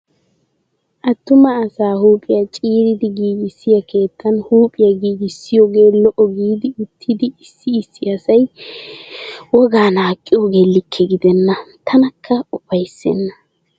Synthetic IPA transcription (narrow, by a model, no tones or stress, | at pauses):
ʔɐt̪ːʊmɐːsaːhuːpʼɪjɐt͡ʃʼiːɾɪd̪ɪɡiːɡɪsːɪjɐkʰe̞ːt̪ʰːɐnhuːpʼɪjɐɡiːɡɪsːɪjoːɡe̞ːlɔʔɔɡiːd̪ɪʊt̪ʰːɪd̪ɪɪsːɪːsːɪɐsɐj | wɔɡaːnaːkʼːɪjɔɡeːlːɪkʰːɛɡɪd̪ɛnːɐt̪ʰɐnɐkʰːɐʊpɐjsːɛ̰nːɐ